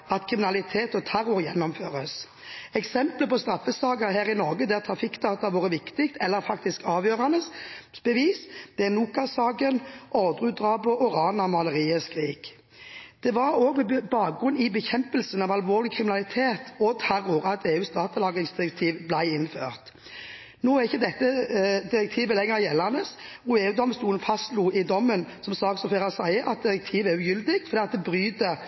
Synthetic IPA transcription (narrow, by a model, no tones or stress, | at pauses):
ɑt̪kʰʁɪmɪnɑlɪt̪ʰeːt̪ɔt̪ʰæɾʊɾjɛnːɔmføːʁəs | ɛksɛmpləpɔst̪ɾɑfːəsɑːɡəɾhæːɾɪnɔʁɡəd̪æʁt̪ʰɾɑfɪkːt̪ʰɑːt̪ɑʋoːɾəʋɪkt̪ɪkt̪ʰɛlːəɾfɑkt̪ɪskɑːʋjøːɾɑnəsbəʋiːsd̪̥ɛnuːkɑsɑːɡənʔɔʁd̪ʁʉːt̪̚d̪ʁɑːbɔʔʊʁɑːnɑmɑləʁiːəskʁiːk | d̪̥ɛʋɑɾoːɡbɑːk̚ɡʁʉnɪbəçɛmpəlsənɑʋɑlʋoːʁlɪkʰʁɪmɪnɑlɪt̪ʰeːt̪ʰɔt̪ʰæɾʊɾɑt̪ʰeːʉːst̪ɑːt̪əlɑːɡɪŋsd̪ɪʁɛk̚t̪ʰiːʋblæɪɪnfø̰ːʁt̪ | noːæʁɪçːəd̪ɛt̪ːəd̪ɪʁɛk̚t̪ʰiːʋəlɛŋːəɾjɛlːɑnəsʁuːeːʉd̪ɔmst̪uːln̩fɑst̪luːɪd̪ɔmːənsɔmsɑːksɔfeːʁɑsæɪəʔɑt̪̚d̪ɪɾɛk̚t̪ʰiːʋæʁʉjʏld̪ɪɡfɔd̪iːɑt̪̚d̪ɛbʁyːd̪ə